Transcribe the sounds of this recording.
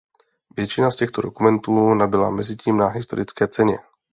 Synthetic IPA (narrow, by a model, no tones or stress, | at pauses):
vjɛt͡ʃɪnascɛxt̪odo̞kumɛnt̪uːnabɪla̰mɛzɪciːmnaɦɪst̪o̞ɾʔɪt͡skɛːt͡sɛɲɛ̰